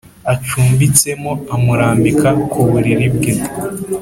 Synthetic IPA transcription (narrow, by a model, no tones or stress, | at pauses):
at͡ʃuːmbit͡se̞moamuɾaːmbikʰakʰuβuɾiɾibɡe̞